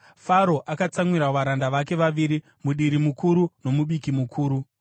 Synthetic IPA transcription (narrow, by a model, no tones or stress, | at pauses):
faɾo̞ʔakat͡saŋwiɾaʋaɾandaʋake̞ʋaʋiːɾi | muɗiɾimukuɾuno̞muɓikimukʰuːɾu